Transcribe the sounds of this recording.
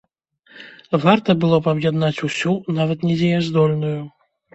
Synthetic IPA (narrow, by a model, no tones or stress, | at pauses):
vart̪ɐbɨlˠɔpɐbjad̪nat͡sʲusʲunavɐt̪nʲɛd͡zʲɛjɛzd̪ɔlʲnuju